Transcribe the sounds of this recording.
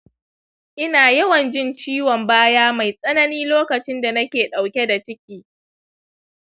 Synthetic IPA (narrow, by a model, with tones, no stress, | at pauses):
ʔɪ˦naː˨jɐ˦wɐ˨nd͡ʒɪ˦˨nt͡ʃiː˦wɔ˨mbaː˦jaː˦ma˨jsʼɐ˦nɐ˦niː˦loː˦kɐ˨t͡ʃɪ˦nda˨nɐ˦kʲeː˨ɗa˨wkʲe˦da˨t͡ʃɪ˦kʲiː˦